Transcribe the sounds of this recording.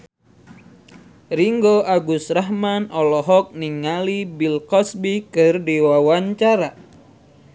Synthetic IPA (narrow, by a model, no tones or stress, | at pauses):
riŋɡoʔaɡusraɦmanɔlɔɦɔk̚niŋalibilkɔsbikɨrdiwawaɲt͡ʃaɾa